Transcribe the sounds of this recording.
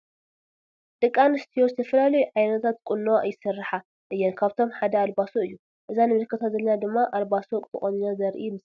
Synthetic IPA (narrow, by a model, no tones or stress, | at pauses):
t̪ʼɨkʼːanɨst̪ʰijost̪ʰɐfɐlalɐjuʕajnɐt̪ʰat̪̚kʼʊnːɐwajːɪsɨrːɨħa | ʔɨjːɛnkʰaβt̪ʰo̞mħad̪ɐalbasoɨjːu | ʔɨzanɨmɨlkʰɐt̪ʰat̪zɐlɐnad̪ɨmːaʔalbasokʼɨ̰χʼɐninazɐɾʔimɨs